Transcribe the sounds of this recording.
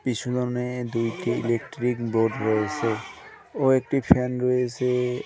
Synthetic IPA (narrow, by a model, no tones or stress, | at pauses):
pit͡ɕʰudɔned̪ujʈiḭlek̚ʈɾikbɾoɖɾɔet͡ɕʰe | oek̚ʈipʰɛnɾɔet͡ɕʰe